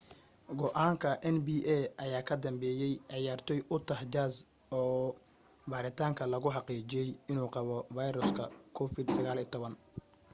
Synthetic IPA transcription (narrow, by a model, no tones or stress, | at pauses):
ɡɔʔaːŋkʰɐʔɛnbiːʔɛʔɐjaːkʰɐd̪ɐmbɛːjɛjʕɑjaːrt̪ʰɔjʔʊt̪ʰɐhd͡ʒaːs | ɔː | baːɾɪt̪ʰaːŋkʰɐlɐɣʊħɑqiːt͡ʃɪjɛjɪnuːqɑβɔvɑjɾʊskʰɐkʰɔfɪd̪sɐɣaːliːt̪ʰɔβɐn